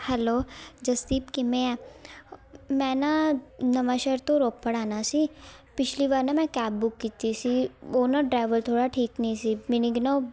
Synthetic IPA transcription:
hɛloːd͡ʒɐst̪iːpkimẽɛ̃ | mɛ̃ːnanɐmaʃəɾt̪õɾoːppəɽaːnasi | pɪt͡ʃʰliʋaːɾnãmɛ̃kɛːbbʊkːiːt̪isioːnaʈɾɛːʋəlt̪ʰoːɽaʈʰiːknɐĩsimɪnĩɡno

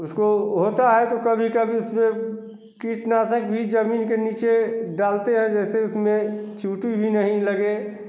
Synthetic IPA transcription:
ʊskoɦoːt̪aɦɛt̪okɐbʱikɐbʱiʊsmẽ | kiːʈnaːt̪ək̚bʱid͡ʒəmiːnkeniːt͡ʃeɖaːlt̪eɦɛ̃d͡ʒɛːseʊsmẽt͡ʃuːʈibʱinəɦĩləɡe

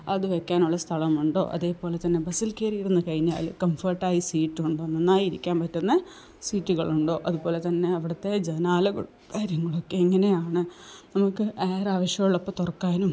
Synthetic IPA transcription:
ɐðɨʋekːaːnuɭːɐst̪ʰɐɭɐmuɳɖo̞̰ːʔɐ̰ðe̞ːpo̞ːle̞t̪ɐnːe̞bɐsilkeːrijiɾunːɨkɐɻiɲːa̰ːlkɐmfɐrʈːaːjisiːʈːuɳɖoːninːaːjiɾikʲːaːnpɐtːunːɐ | siːʈːuɣɐɭuɳɖo̞ːʔɐðubo̞ːle̞t̪ɐnːe̞ɐʋiɽɐt̪ːe̞d͡ʑenaːlɐɣɐ̰ɭ | kaːɾjɐŋːɐɭokːe̞iŋːɐne̞jaːɳɨnɐmukːɨʔeːraːʋɐɕjɐɣɐɭɭopːɐt̪urɐkːaːnum

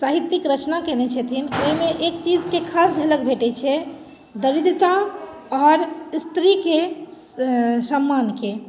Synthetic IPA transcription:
saɦit̪ːikɾət͡ʃnakenɛt͡ʃʰɛt̪ʰinoɦimeʔekt͡ʃid͡ʒkekʰasd͡ʒʱələkbʱeʈɛt͡ʃʰɛ | d̪əɾid̪ʱt̪a | ɔɾst̪ɾike | səmːanke

